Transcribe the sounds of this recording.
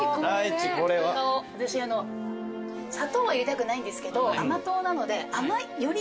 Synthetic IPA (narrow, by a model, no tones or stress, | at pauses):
ait͡ɕikoɾeβaoat̪aɕiano̞ | sat̪oːβaiɾʲit̪akɯ̟naĩnd̪e̞sɨ̥ke̞d̪o̞amat̪o̞ːnano̞d̪e̞amaijo̞ɾʲ